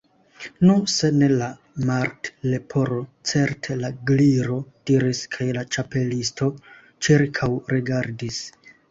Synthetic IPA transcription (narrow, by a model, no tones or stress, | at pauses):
nuse̞ne̞la | maɾtle̞pʰo̞ɾo̞t͡se̞ɾtʰe̞laɡliɾo̞d̥iɾiskʰajlat͡ʃape̞listʰo̞ | t͡ʃiɾkʰawɾiɡaɾdis